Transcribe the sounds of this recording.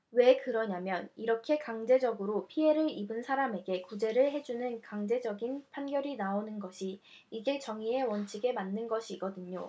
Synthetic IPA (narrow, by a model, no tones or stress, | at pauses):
we̞kɯɾʌɲamjʌniɾʌkʰe̞kaŋd͡ʑe̞d͡ʑʌɡɯɾopʰie̞ɾɯɾibɯnsʰaɾame̞ɡe̞kud͡ʑe̞ɾɯɭɦe̞d͡ʑunɯnkaŋd͡ʑe̞d͡ʑʌɡinpʰanɡjʌɾinaonɯnɡʌɕʰi | iɡe̞t͡ɕʌŋie̞wʌnt͡ɕʰiɡe̞manːɯnɡʌɕʰiɡʌdɯɲo